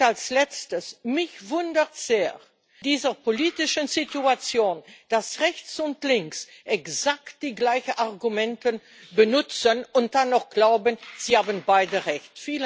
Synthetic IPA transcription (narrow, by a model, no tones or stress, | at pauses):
alslɛt͡stəsmɪçvʊndətz̥eːɐ | d̥iːzəpoliːtɪʃənzituat͡sjoːnd̥asʁɛçt͡sʊntlɪŋks | ʔɛkzakt̚d̥iːɡlaɪçənʔaʁɡumɛntən | bənʊt͡sənʊnt̚d̥anɔʊχɡ̥laʊbənz̥iːhaːbənbaɪdəʁɛçtfiːlə